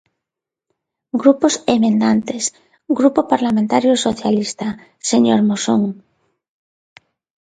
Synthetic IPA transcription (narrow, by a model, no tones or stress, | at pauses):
ɡɾuposemẽnd̪ant̪es | ɡɾupopaɾlamẽnt̪aɾjosoθjalist̪a | seɲoɾmosoŋ